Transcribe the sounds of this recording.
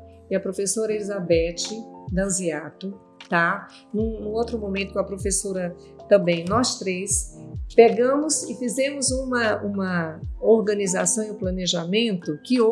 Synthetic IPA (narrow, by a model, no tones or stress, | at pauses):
ɪɐpɾofesoɾɐelizabɛt͡ʃɪd̪ɐ̃ziat̪ʊ | t̪a | nũnũot̪ɾʊmõmẽnt̪ʊkõɐpɾofesoɾɐ | t̪ɐ̃bẽj̃nɔst̪ɾespeɡɐ̃mʊsɪfizẽmʊzũmɐũmɐoɾɡɐ̃nizasɐ̃w̃ɪiũplɐ̃neʒamẽnt̪ʊkɪo